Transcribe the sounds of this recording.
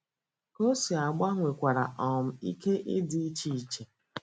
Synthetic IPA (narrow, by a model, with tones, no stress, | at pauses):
ko˦si˨a˨ɡ͡ba˦ŋʷe˨kʷa˨ɾa˨ʔɔ˨m̩˦˨i˦ke˦ʔɪ˦dɪ˦t͡ʃi˦˨˦t͡ʃe˨